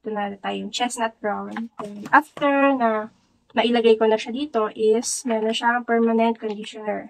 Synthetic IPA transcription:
t̪ʊnaːɾɛt̪aːjojʊŋt͡ʃɛsnɐt̪̚ɡɹawnʔɛnʔaft̪ɛɹnɐ | nɐʔɪlɐɡajkonɐʃad̪iːt̪o̞ʔɪsmɛnonʃaɐŋpɛɹmɐnɛnt̪̚kond̪ɪʃɔnɛɹ

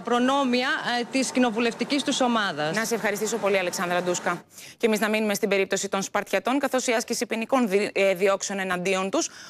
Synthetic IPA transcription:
ɐpɾo̞no̞miɐt̪iscino̞vule̞ft̪icist̪uso̞mɐðɐsnɐseefxɐɾist̪iso̞po̞liɐleksɐnd̪ɾɐd̪uskɐce̞miznɐminume̞st̪ibe̞ɾip̚t̪o̞sit̪o̞nspɐɾt̪çɐt̪o̞ŋkɐθo̞siɐscisipiniko̞nðio̞kse̞o̞ne̞nɐnd̪io̞nt̪us

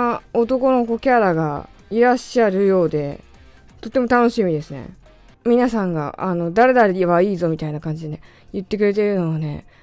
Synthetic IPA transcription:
aot̪o̞ko̞no̞ko̞kʲaɾaɡaiɾaɕaɾɯ̟jo̞ːd̪e̞ | t̪o̞t̪ːe̞mo̞t̪ano̞ɕimʲid̪e̞sɨnḛ | mʲinasãŋɡa̰ʔano̞d̪aɾe̞d̪aɾeβaiːzo̞mʲit̪ainakãɲ̟d͡ʑid̪ee | jɯ̟t̪ːe̞k̬ɯ̟ɾe̞t̪e̞ɾɯ̟no̞βane̞̰

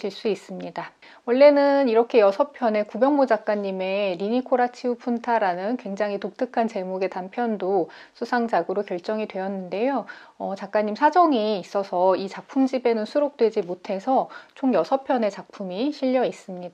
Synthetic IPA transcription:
ɕʰiɭs͈uis͈ɯmɲida | wʌɭːe̞nɯniɾʌkʰe̞jʌsʰʌpʰjʌne̞kubjʌŋmod͡ʑak̚k͈aɲːime̞ɾiɲikʰoɾat͡ɕʰiupʰuntʰaɾanɯnkwe̞ŋd͡ʑaŋɦitok̚t͈ʰɯkʰant͡ɕe̞moɡe̞tampʰjʌndo | sʰusʰaŋd͡ʑaɡɯɾokjʌɭt͡ɕ͈ʌŋidwe̞jʌnːɯnde̞joʌt͡ɕak̚k͈aɲːimsʰad͡ʑʌŋiːs͈ʌsʰʌit͡ɕak̚pʰumd͡ʑibe̞nɯnsʰuɾok̚t͈we̞d͡ʑimotʰe̞sʰʌt͡ɕʰoŋjʌsʰʌpʰjʌne̞t͡ɕak̚pʰumiɕʰiʎːʌis͈ɯmɲida

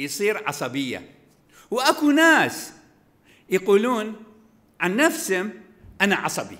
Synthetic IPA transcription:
jsˤiːɾʕɑ̰sˤɑbɪjːa̰ | wʔakunaːs | jaquːluːn | ʕanːafshʊm | ʔanaʕɑsˤɑbḭ

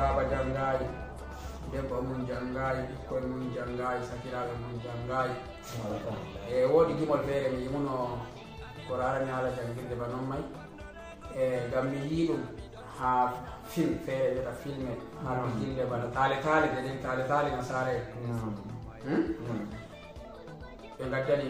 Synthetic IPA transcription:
abad͡ʒaŋɡaːju | dɛmbamund͡ʒaŋɡajiɗikːɔnmund͡ʒaŋɡajisakiɾabamund͡ʒaŋɡaːju | ɛwoːɗid͡ʒimɔlfɛɾɛmiimunɔ | kɔɾaɾaɲaːlad͡ʒaŋɡiɾdɛbanɔnːaj | ɛŋɡamːijiɗum | hafilfɛːɾɛd͡ʒɛtafilmɛ | haɾmakildɛbanatalɛtaːlɛdɛdɛntalɛtalɛnasaɾɛ | n | ɓɛŋɡadːali

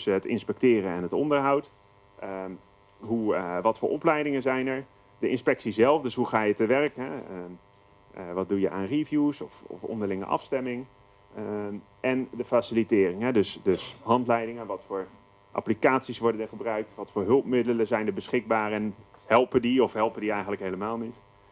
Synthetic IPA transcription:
səɦətɪ̰nspɛk̚tɪːrənɛnɦətɔndəɹɦʌwt | ɦuʋɑtfʊ̰ːʔɔplɛjdɪŋənzɛjnɛɹ | dəɪnspɛksizɛlˠfdɵsɦuχaːjətəʋɛrkɦɛ | ʋɑt̚dujəʔa̰ːnrivjusɔfɔ̰fɔ̰ndəɹlɪŋə̰ʔɑ̰fstɛmɪŋ | ʔɛndəfaːsilitɪːrɪŋɦɛdɵsdɵsɦɑntlɛjdɪŋəʋɑtfʊːɹ | ʔa̰plikaːtsisʋɔɹdənəɹχəbrœɥk̚tʋɑtfʊːɹɦɵlˠpmɪdələzɛjnəɹbəsχɪɡ̚baːrɛnhɛlˠpəndiɔfɦɛlˠpəndiɛjχənləkɦejləmaːlˠnit

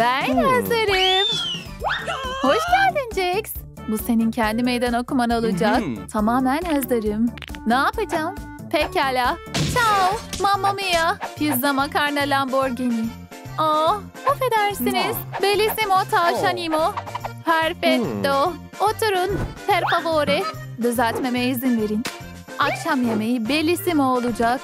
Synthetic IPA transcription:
bænhazlaɾɯm | hoʃɟælʲd̪ind͡ʒɛcs | buse̞nincʰɛnd̪imejd̪ænokumanɯalˠɯd͡ʒakt̪ʰamaːmænhazaɾɯm | naːpad͡ʒaːm | pʰɛcalʲat͡ʃʰamamːamɯjapʰizd̪amakʰaɾnalʲamboɾɟeni | o | hofe̞d̪æɾsiniz̥belʲisimot̪ʰaːt͡ʃanimopʰæɾfɛk̚t̪o | ot̪ʰuɾunpʰæɾpavoɾɛ | d̪øzælʲt̪me̞mɛizinve̞ɾin | akʃamjemejibe̞lʲisimoolˠud͡ʒak

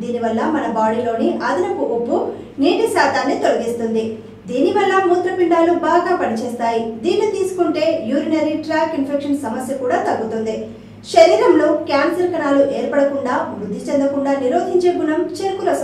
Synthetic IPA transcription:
d̪iːniʋɐlːɐmɐnɐbaːɽilo̞ːniʔɐd̪ɐnɐkuʔobːu | niːʈisaːt̪aːnːit̪o̞lɐɡist̪und̪i | d̪iːniʋɐlːɐmuːt̪ɾɐpiɳɖaːlubaːɡaːpɐnit͡ʃɛːst̪aːjid̪iːnːɐt̪iːsu̥kuɳʈe̞ːjuːɾinɐɾiʈɾaːkinpʰekʂɐnsɐmɐsjɐkuːɽaːt̪ɐɡːut̪und̪i | ʃɐɾiːɾɐmloːkjaːnsɐɾkɐnaːluʔeːɾpɐɽɐkuɳɖaːʋɾud̪ʱːit͡ʃend̪ɐkuɳɖaːniɾo̞ːd̪ʱiɲt͡ʃeɡunɐmt͡ʃeɾkulɐs

